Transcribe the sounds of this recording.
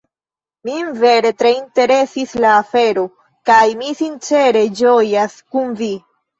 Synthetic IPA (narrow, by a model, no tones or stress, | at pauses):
mienve̞ɾe̞tɾe̞inte̞ɾe̞sislaːfe̞ɾo̞ | kajmisint͡ʃe̞ɾe̞d͡ʒo̞jaskunvi